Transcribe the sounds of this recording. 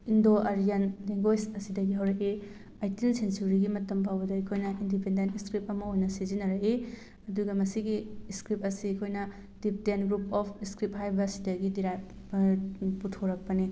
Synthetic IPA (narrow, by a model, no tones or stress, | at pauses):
indoʔaɾijɐnleŋɡojsɐsidɐɡiɦɐwɾɐki | ajtinsensuɾiɡimɐtɐmpʰawbɐdɐɐjkʰojnɐindipendentiskɾip̚ɐmɐojnɐsizinɐɾɐki | ɐduɡɐmɐsiɡiskɾip̚ɐsiɐkʰojnɐ | d̥ip̚denɡɾup̚ɔpʰiskɾip̚hajbɐːsidɐɡidiɾajp̚ | putʰoɾɐk̚pɐni